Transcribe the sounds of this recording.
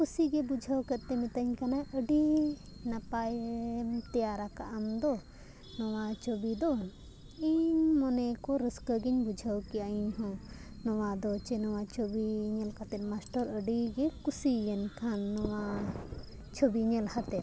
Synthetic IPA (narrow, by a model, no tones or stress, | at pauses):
kusiɡɛbud͡ʒʱəwkət̪̚t̪ɛmit̪əɲkanaʔəɖi | napajmt̪ɛjaɾakaʔəmd̪ɔ | nɔwat͡ʃobid̪ɔ | iɲmɔnɛkɔɾəskəɡiɲbud͡ʒʱəwkiaiɲɦɔ̃nɔwad̪ɔt͡ʃɛnɔwat͡ʃobiɲɛlkat̪ɛt̪̚masʈɔɾəɖiɡɛkusijɛnkʰanːɔwa | t͡ʃʰobiɲɛlhat̪ɛt̪̚